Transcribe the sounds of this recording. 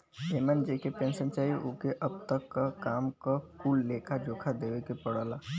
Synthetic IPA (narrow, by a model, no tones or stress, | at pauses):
eːmənd͡ʒeːkepẽːnsənt͡ʃaːiʔokeʔəbt̪əkːakaːmkakuːlːeːkʰad͡ʒoːkʰad̪eːʋekepəɽəːlaː